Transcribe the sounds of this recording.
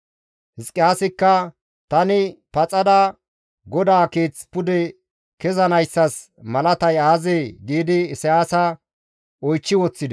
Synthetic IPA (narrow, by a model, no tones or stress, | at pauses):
hɪskʼːɪjaːsɪkːɐ | t̪ɐnɪpɐt͡sʼɐd̪ɐ | ɡɔd̪aːkeːt͡spʊd̪ɛ | kɛzɐnɐjsːɐs | mɐlɐt̪ɐjaːzeːɡiːd̪ɪːsɛjaːsɐ | ɔjt͡ʃːɪwɔt͡sːɪd̪ɛ